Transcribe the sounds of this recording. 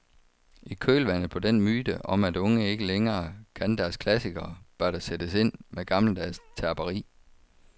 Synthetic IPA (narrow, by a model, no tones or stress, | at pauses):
ikʰøːlʋæn̰ð̩ˠpʰɒ̽d̥en̰myːd̥əʔɒ̽mæd̥ɔ̽ŋəe̝ɡ̥əleŋɐːkʰænd̥æɐskʰlæsiɡ̥ɐːb̥ɶɐɾ̥æsed̥əse̝n̰meɡ̥ɑ̈ml̩d̥æɐst͡sʰæɐb̥ɐʁḭː